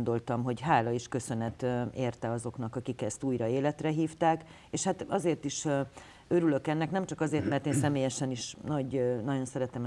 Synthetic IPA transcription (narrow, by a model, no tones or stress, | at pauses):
nd̪o̞lt̪ɒmɦo̞ɟɦaːlɒiʃkø̞sø̞nɛt̪eːrt̪ɛɒzo̞knɒkɒkikɛst̪uːjɾɒeːlɛt̪rɛɦiːft̪aːk | eːʃhat̪ɒzeːrt̪iʃ | ø̞ɾylø̞kɛnːɛknɛmt͡ʃɒkɒzeːrt̪mɛrt̪eːnsɛmeːjɛʃɛniʃnɒɟnɒɟo̞nsɛɾɛt̪ɛm